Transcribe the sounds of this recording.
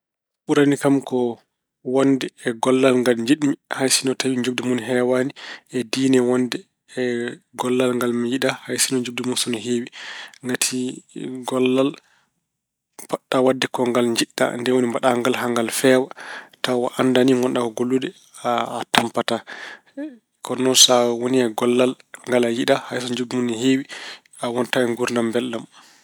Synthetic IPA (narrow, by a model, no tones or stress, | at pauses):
ɓuɾanikamkɔ | wondɛɛɡɔlːalŋɡalɲd͡ʒiɗmihajsinɔtawiɲd͡ʒub̚dimunɦɛwaniɛdiːnɛwanːdɛː | ɡɔlːalŋɡalmijiɗahajsinɔɲd͡ʒub̚dimunsɔnɔɦewiŋɡatʰiɡɔlːal | paɗːawadːɛkɔŋɡalɲd͡ʒiɗːa̰ndɛwonimbaɗaŋɡalɦaŋɡalfɛːwatawaʔandaniŋɔnɗakɔɡolːudɛː | tampata | kɔnɔsawoniaɡɔlːal | ŋɡalajiɗahajsɔɲd͡ʒuɡmunihewi | awɔntaɛŋɡuɾndambɛlːam